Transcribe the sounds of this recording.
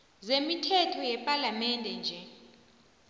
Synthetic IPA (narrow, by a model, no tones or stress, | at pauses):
zemitʰɛtʰɔjɛpʼalamɛndʱɛnd͡ʒʱɛ